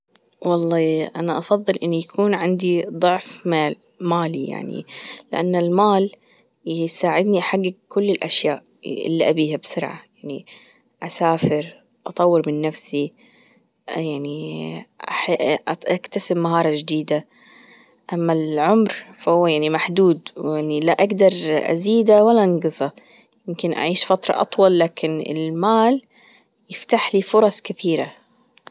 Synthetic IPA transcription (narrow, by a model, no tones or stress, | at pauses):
wɑlˤːɑːʔanaʔɑfɑðˤːɨlʔɪnːujakʰuːnʕɪnd̪id̪ˤʊʕfmal | maːlḭja̰ʕnḭlɪʔa̰nːalmaːl | jsaːʕɪd̪niʔħaɡːɪɡ̚kʊlːɪlʔaʃjaːʔ | ʔɪ̰lːiʔabiːhabsʊɾʕa̰jaʕni | ʔasaːfɪɾ | ʔɑt̪ˤɑwːɪɾmɪnːafsi | jaʕniʔaħʔakt̪asɪmːaɦɑːɾˤɑd͡ʒd̪iːd̪a | ʔamːalʕʊmɾfahʊwːajaʕnimaħd̪uːd̪wjaʕnilaʔaɡd̪ɑɾˤʔa̰ziːd̪awalːaʔaŋɡɨzˤɑ | jɪmkɪnʔa̰ʕiːʃfat̪ɾˤɑ̰ʔɑ̰t̪ˤwɑlːaːkʰɪnɪ̰lmaːl | jɪft̪aħliːfʊɾˤɑsˤkɪθiːɾa